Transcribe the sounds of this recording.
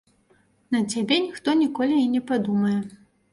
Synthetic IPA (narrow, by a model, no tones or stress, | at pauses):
nɐt͡sʲabʲɛnʲixt̪ɔnʲikɔlʲiinʲɛpad̪umɐjɛ